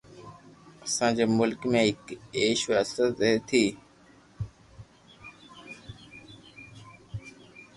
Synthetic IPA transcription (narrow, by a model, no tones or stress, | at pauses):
əsãːd͡ʑeːmʊlkmẽːɦɪkeːʃʋəsəɾt̪et̪ʰiː